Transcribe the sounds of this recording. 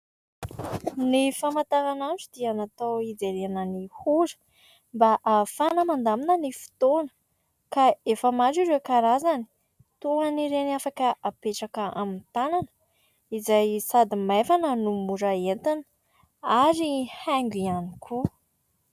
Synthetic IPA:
nifamat̪aɾananʈ͡ʂud̪̥ianat̪owid͡zeɾeanənihuɾə̥ | mbaʔafanəmand̪aminənifi̥t̪onə̥ | kaefəmaɖ͡ʐiɾekaɾazani̥ | t̪uaniɾenafakəʔapeʈ͡ʂakəʔamint̪ananə | izajsad̪imafanənumuɾaent̪an | aɾihaŋɡʲianikʰu

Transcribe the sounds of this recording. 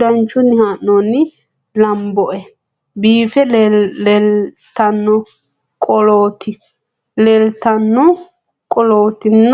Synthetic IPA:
ɐnt͡ʃːʊnːɪhaːnːɔnːɪ | lɐmbɔʔɛ | biːfɛlɛlt̪ɐnːɔ | kʼɔloːt̪ɪ | lɛlt̪ɐnːɔ | kʼɔloːt̪ɪnː

